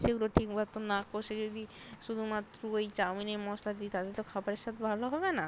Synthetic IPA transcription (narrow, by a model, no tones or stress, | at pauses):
ʃeɡuloʈʰikbʱat̪onakoʃed͡ʑod̪iʃud̪ʱumat̪ːɾoejt͡ɕaminemɔslad̪it̪ad̪eɾt̪okʰabaɾeʃat̪bʱaloɦɔbena